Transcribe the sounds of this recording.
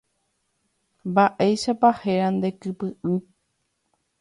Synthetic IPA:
mbaʔejʃapahe̞ɾand̪e̞kɨpɨʔɨ

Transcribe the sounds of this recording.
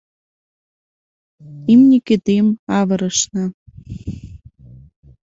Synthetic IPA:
imnʲiket̪emɑβɤ̆ɾə̆ʃnɑ

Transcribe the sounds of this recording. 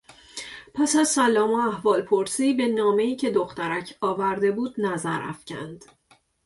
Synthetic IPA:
pʰæsæzsælːɒːmoæhvɒːlpʰoɾsiːbe̞nɒːme̞iːcʰe̞d̪oxt̪æɾæcʰɒːvæɾd̪e̞buːd̪næzæɾæ̰fcʰæ̰nd̪̥

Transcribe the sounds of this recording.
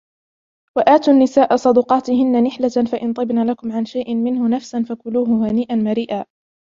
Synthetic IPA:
waʔaːt̪uːnːɪsaːʔasˤɑd̪ʊqɑːt̪ɪɦɪnːanɪħlafaʔɪnt̪ˤɨbnaːlakʊmʕanʃajʔɪnmɪnhʊnafsanfakʊluːɦʊhaniːʔanmaɾiːʔaː

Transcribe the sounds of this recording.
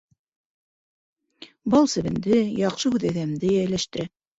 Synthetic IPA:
bɑlˠsɘ̆βɘ̆nd̪ɘjɑqʃɤhʉðæðæmd̪ɘjæjlæʃt̪ɘ̆ɾæ

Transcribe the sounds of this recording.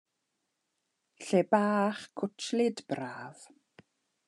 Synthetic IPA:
ɬebaːχkʰʊtʰlɪdb̥raːv̥

